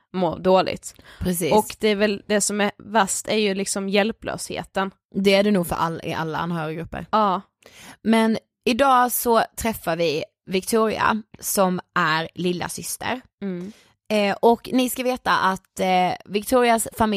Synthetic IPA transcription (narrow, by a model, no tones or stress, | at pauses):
mo̰ːɖ̪oːlɪ̰ɡ̚t̪pʰɾɛsiːɔkd̪ɛæɾvɛld̪ɛsɔmæɾvast̪æɾjɵlɪksɔmjɛlplø̰ːshḛːt̪ən | d̪ɛæɖɛnuːɡfœ̰ɾʔa̰lɪ̰ʔa̰lːaʔa̰nːɦœːɾɪaɡɾɵpːə̰ɾɑː | mɛn | ɪd̪ɑːsɔt̪ʰɾɛfːaɾvɪ | vɪkt̪ʰuːɾɪ̰a̰sɔmʔæɾlɪlːa̰sʏst̪ə̰ɾ | ɔknɪskaveːt̪aʔat̪vɪkt̪ʰuːɾɪasfamɪ